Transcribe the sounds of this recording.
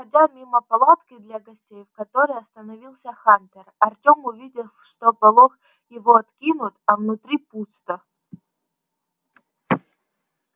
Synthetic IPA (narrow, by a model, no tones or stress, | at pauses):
xɐdʲamʲiməpɐlˠat̪kɪd̪lʲɐɡɐsʲtʲejvkɐt̪o̞ɾəjɐst̪ənɐvʲilˠsʲəxant̪ʲɪrɐrtʲo̞mʊvʲidʲɪlˠʂt̪opɐlˠox | jɪvo̞ɐt̪kʲinʊt̪ɐvnʊt̪ɾʲiput̪st̪ə